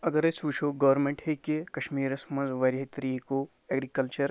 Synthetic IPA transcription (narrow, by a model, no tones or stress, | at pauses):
ɐɡɐɾesuːʃʰoːɡɐʋɐɾmẽɳʈhekekɐʃmiːɾɐsmɐ̃nzʋɐɾɦit̪ɾiko | eːɡɾikɐlt͡ʃɐɾ